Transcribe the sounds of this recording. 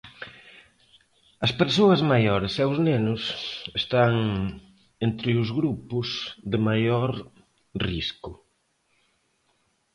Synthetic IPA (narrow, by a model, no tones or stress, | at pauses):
ɐspeɾsoɐzmajɔɾɪsɛʊznenʊsest̪aŋ | ent̪ɾɪʊzɣɾupʊsðɪmajoɾ | riskʊ